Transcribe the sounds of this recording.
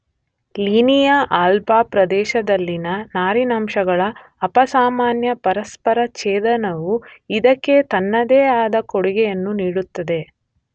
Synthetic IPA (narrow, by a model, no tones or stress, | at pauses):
liːnijaʔaːlpaːpɾɐd̪ɛːʃɐd̪ɐlːinɐnaːɾinaːmʃɐɡɐɭɐː | pɐsaːmaːnjɐpɐɾɐspɐɾɐt͡ʃeːd̪ɐnɐʋuid̪ɐkːe̞t̪ɐnːɐd̪eːaːd̪ɐkoɽuɡɛjɐnːuniːɽut̪ːɐd̪e̞